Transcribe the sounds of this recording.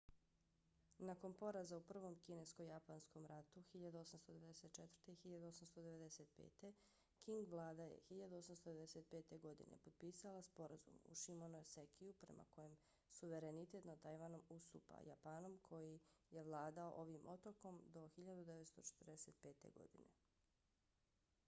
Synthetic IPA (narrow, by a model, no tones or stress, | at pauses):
nako̞npo̞ɾazaupr̩ʋo̞mkine̞sko̞japansko̞mɾat̪uxiʎad̪uo̞samst̪od̪e̞ʋed̪ese̞t̪̚t͡ʃet̪v̥ɾr̩t̪e̞ixiʎad̪uo̞samst̪o̞d̪e̞ʋe̞d̪eset̪̚pḛːt̪e̞ | kiŋɡʋlˠaːd̪ajḛxiʎad̪uosamst̪od̪eed̪eset̪̚pe̞ːt̪e̞ɡo̞d̪ḭnḛpod̪̚piːsalaspo̞ɾazṵmṵʃimonosekijupɾe̞̰ma̰ko̞jem | suʋe̞ɾe̞nit̪e̞t̪nat̪ːajʋanomust̪ṵːpa̰japano̞mkʰo̞jije̞ʋlˠaːd̪ao̰ʔo̞ʋimʔo̞t̪oko̞md̪o̞xiʎad̪ud̪eʋet̪st̪o̞t͡ʃe̥t̪rd̪ese̞t̪̚pe̞ːt̪e̞̰ɡo̞̰ɡ̪ḭnḛ